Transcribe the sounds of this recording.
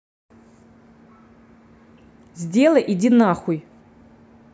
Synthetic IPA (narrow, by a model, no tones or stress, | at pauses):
zʲdʲe̞lˠɐʔidʲinaχuj